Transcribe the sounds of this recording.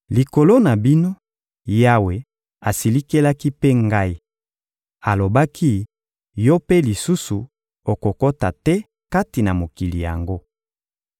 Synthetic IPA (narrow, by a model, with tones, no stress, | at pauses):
li˨ko˨lo˦na˨bi˦no˦ | ja˦we˨ | a˨si˨li˦ke˦la˦ki˦pe˦ŋɡa˦i˦ | a˨lo˨ba˦kʰi˦ | jo˦pe˦li˨su˦su˨ | o˨ko˨ko˦ta˨tɛ˦ | ka˦ti˨na˨mo˨ki˨li˨ja̰˨ŋɡo˦